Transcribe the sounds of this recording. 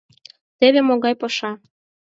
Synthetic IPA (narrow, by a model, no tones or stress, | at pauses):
t̪eβemoɣɑjpɤʃɑ